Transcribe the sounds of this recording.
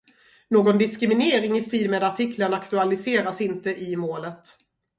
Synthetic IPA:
noːɡɔnd̪ɪskɾɪmɪneːɾɪŋɪst̪iːlmeːd̪aʈʰɪkʰləɳakt̪ɵalɪseːɾasɪnt̪əʔɪmoːlət̪

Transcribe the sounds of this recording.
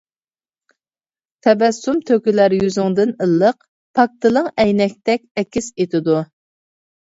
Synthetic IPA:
t̪ʰɛbɛsumt̪ʰøkʲylæɾjyzɪŋd̪ɪnəlˠːəq̚ | pʰɑk̚t̪ɨlˠəŋɛjnɛkʲt̪ɛkʲɛkʲʰːiset̪ɪd̪u

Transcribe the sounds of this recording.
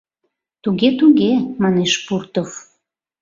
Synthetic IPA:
t̪uɣet̪uɣemɑneʃpurt̪of

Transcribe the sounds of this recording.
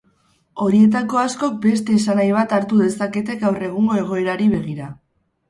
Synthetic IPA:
o̞ɾie̞t̪̬ako̞asko̞k̚be̞st̪e̞ːsanajβ̞at̪aɾt̪uðe̞sake̞t̪̬e̞ɡawre̞ɣ̞uŋɡo̞e̞ɣ̞o̞e̞ɾaɾiβ̞e̞ɣ̞iɾa

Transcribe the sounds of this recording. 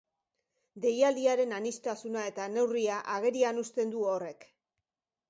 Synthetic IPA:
d̪e̞jald̪iaɾe̞nanist̪asunae̞t̪ane̞wriaʔaɣ̞e̞ɾianust̪e̞nd̪uore̞k

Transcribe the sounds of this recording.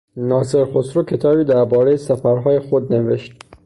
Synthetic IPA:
nɒːse̞ɾxosɾocʰe̞t̪ʰɒːbiːd̪æɾbɒːɾe̞jesæfæɾɦɒːjexod̪ne̞veʃt̪

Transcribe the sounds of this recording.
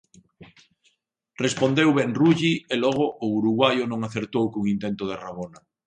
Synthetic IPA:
respond̪ewβɛŋruʎielɔɣ̞ʊʔːuɾuɣwajʊnõŋaθeɾt̪owkoŋint̪ent̪ʊð̞eraβona

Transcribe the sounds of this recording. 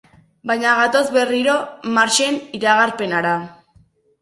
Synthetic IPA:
bajɲaɣat̪o̞zβe̞riɾo̞maɾt͡ʃe̞niɾaɣaɾpe̞naɾa

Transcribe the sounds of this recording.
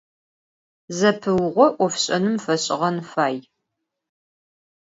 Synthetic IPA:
zɐpʰɨwʁʷɔʔʷɔfɕʼɐnɨmfɐɕʼɪʁɐnfaːj

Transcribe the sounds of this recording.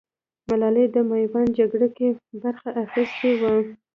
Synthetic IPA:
malɑled̪əmajwɑnd͡ʒaɡɽakebaɾxaʔaxist̪ewa

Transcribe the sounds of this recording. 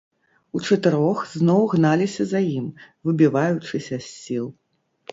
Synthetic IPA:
ut͡ʂɐt̪ɨɾɔxznɔwɣnalʲisʲɐzajimvɨbʲivajut͡ʂɨsʲɐsʲːilˠ

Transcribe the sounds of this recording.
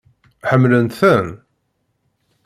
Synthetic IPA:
ħəmːlənt̪θæn

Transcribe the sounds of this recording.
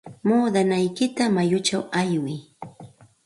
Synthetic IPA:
muːd̪anajkɪt̪amajʊt͡ʃawajwɪj

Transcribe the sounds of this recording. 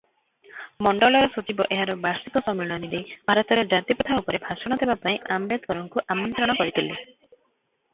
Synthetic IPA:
mɔɳɖɔlɔɾɔsot͡ʃibɔʔeɦaɾɔbaɾsik̪ɔsɔmːiɭɔnid̪ejb̥ʱaɾɔt̪ɔɾed͡ʒat̪jipɔt̪ʰaupɔɾebʱasɔɽ̃ɔt̪ʰebapaĩʔambed̪̚kɔɾɔŋkuʔamɔnt̪ɾɔɽ̃ɔkɔɾit̪ʰili

